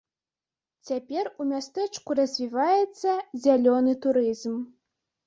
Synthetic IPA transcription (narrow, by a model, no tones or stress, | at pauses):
t͡sʲapʲɛrumʲast̪ɛt͡ʂkurɐzʲvʲivajɛt̪sːɐzʲalʲɔnɨt̪uɾɨzm